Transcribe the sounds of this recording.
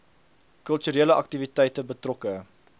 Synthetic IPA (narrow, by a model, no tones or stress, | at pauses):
kœlˠtyɾeələʔɐk̚tivitɛjtəbətrɔkə